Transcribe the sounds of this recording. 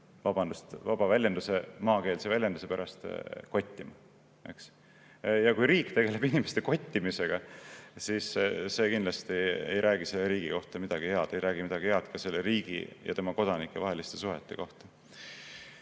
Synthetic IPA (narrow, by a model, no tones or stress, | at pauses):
vɑb̥ɑnd̪̥ust̪vɑb̥ɑvælʲjend̪use̞mɑːke̞ːlse̞vælʲjɑnd̪use̞pæɾɑst̪ko̞t̪ʲːimɑ | e̞̰ks | jɑkujɾiːkt̪e̞ɡ̥e̞le̞binʲime̞st̪e̞ko̞t̪ʲːimise̞ɡ̥ɑsiːsːe̞kind̪lɑst̪iḛjɾʔæːɡiselːeɾiːɡ̥iko̞ht̪ɑmid̪̥ɑɡ̥ihe̞ɑd̪̥e̞jɾæːɡ̥imid̪ɑɡihe̞ɑt̪kɑse̞lːeɾiːɡ̥ḭjʔɑ̰t̪e̞mɑko̞d̪̥ɑnikːˑevɑɦe̞list̪e̞suɦe̞̰t̪ːˑe̞ko̞ht̪ɑ̥